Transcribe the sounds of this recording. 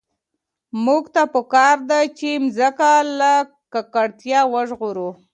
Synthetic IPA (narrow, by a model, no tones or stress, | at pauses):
muɡt̪apəkɑɾd̪at͡ʃemzəkala | kakaɽt̪jɑwəʒɣuɾu